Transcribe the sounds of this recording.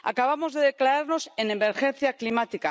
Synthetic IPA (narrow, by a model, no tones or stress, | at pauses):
a̰kaβ̞amo̞zðe̞ðe̞klaɾaɾno̞se̞neme̞ɾxe̞n̟θjaklimat̪ika